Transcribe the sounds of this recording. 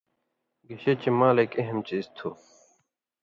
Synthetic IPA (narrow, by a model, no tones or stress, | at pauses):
ɡiɕet͡ɕimaːlekeɦemt͡ɕiːzt̪ʰu